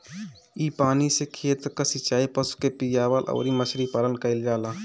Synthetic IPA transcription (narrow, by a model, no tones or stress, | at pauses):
ipaːnisekʰeːt̪kəsit͡ʃaːipəsu̥kepijaʋalʔə̰ːɾiməsɾipaːlənkəɪld͡ʒaːlaː